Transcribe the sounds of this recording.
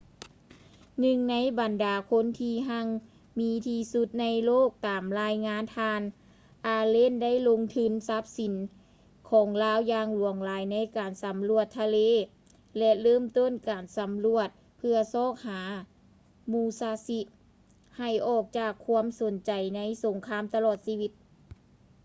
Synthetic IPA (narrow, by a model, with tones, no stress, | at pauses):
nɯ˧ŋna˧˥jba˨˩ndaː˨˩kʰo˧˥˨nt̪ʰiː˧ɦa˧˥ŋ | miː˧˥t̪ʰiː˧su˧˥t̪̚na˧˥jloː˥˩k̚t̪aː˨˩mlaː˧jŋaː˧˥nt̪ʰaː˧n | ʔaː˧leː˧˥˨nda˥˨jlo˧ŋt̪ʰɯ˧˥˨nsa˧˦˥p̚si˨˦n | kʰɔː˨˦ŋlaː˧˥˨wjaː˧ŋlu˨˩əŋlaː˨˦jna˧˥jkaː˨˩nsa˨˦mlu˧˩ət̪ʰːa˧leː˧˥˨ | lɛ˧lɤː˥˩mt̪o˥˨nkaː˨˩nsa˨˦mlu˧˩ət̪̚ | pʰɯ˧ɐsɔː˥˩k̚haː˩˦ | muː˧˩saː˧˥si˧ʔ | ha˨˩jʔɔː˧˩k̚t͡ɕaː˧˩kʰːu˧˥əmso˨˩˦nt͡ɕa˨˩jna˧˥jso˨˩˦ŋkʰaː˧˥˨mt̪a˧lɔː˧˨˩t̪̚siː˧wi˧˥t̪̚